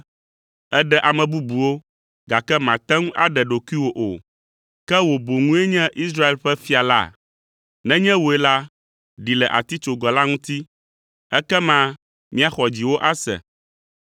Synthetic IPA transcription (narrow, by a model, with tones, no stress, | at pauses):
ɛ˦ɖɛ˦ʔa˨mɛ̃˨bu˦bu˨wo˦ | ɡa˨kɛ˦mã˨t̪ɛ̃˦ŋũ˦ʔa̰˦ɖɛ˨ɖo˨kʷi˦wo˨ʔo˨ | kɛ˦wo˨bo˨ŋũ˦e˦ɲɛ̃˦ʔi˦s̬ɾa˦e˨lɸɛ˦fi˦a˨la̰˦˨ | nɛ̃˦ɲɛ̃˦wo˨ɛ˨la˦ | ɖi˨lɛ˨ʔa̰˨t̪i˦t͡ʃo˨ɡɔ˨la˦ŋũ˦t̪i˦ | ɛ˦kɛ˦mã˦ | mĩ˦a˨xɔ˨d͡ʑi˨wo˦ʔa˦sɛ̰˨